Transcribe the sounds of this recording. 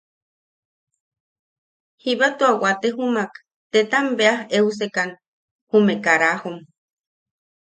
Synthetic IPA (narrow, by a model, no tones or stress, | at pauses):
hiβat̪uawat̪eɦumak | t̪et̪ambeaheus̬ekan | humekaɾahom